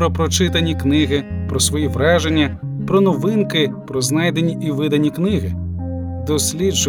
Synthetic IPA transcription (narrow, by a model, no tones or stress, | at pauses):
ɾɔpɾɔt͡ʃɪt̪ɐnʲiknɪɦɪpɾɔsʋɔjiʋɾɑʒenʲːɐ | pɾɔnɔʋɪnkɪpɾɔznɑjd̪enʲiʔiʋɪd̪ɐnʲiknɪɦɪd̪ɔsʲlʲid͡ʒ